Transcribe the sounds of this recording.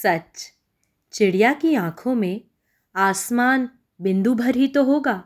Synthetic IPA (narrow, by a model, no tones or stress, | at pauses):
sɐt͡ʃ | t͡ʃɪɽijakiãːkʰõmẽ | aːsmaːn | bɪ̃nd̪ubʱɐɾɦit̪oɦoːɡaː